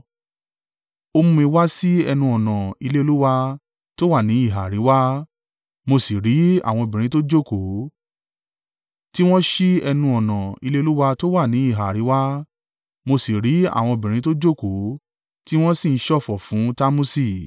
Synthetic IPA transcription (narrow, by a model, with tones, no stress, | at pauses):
o˧mũ˧i˧wa˦si˦ɛ˧nũ˧ɔ˨nã˨i˧le˦o˧lu˦wa˧ | to˦wa˦˨nĩ˨˦i˦˨ɦa˨ɾi˨˦wa˦ | mo˧si˨ɾi˨˦a̰˦˨w̃ɔ̃˧o˨bĩ˨ɾĩ˨˦to˦d͡ʒo˦˨ko˨˦ | ti˦w̃ɔ̃˦ʃi˦ɛ˧nũ˧ɔ˨nã˨i˧le˦o˧˦lu˦wa˧to˦wa˦˨nĩ˨˦i˦˨ɦa˨ɾi˨˦wa˦ | mo˧si˨ɾi˨˦a̰˦˨w̃ɔ̃˧o˧˨bĩ˨ɾ̃ĩ˨˦to˦d͡ʒo˦˨ko˨˦ | ti˦w̃ɔ̃˦si˦˨n̩˦ʃɔ˦˨fɔ˨fũ˨˦ta˦mũ˦si˦˨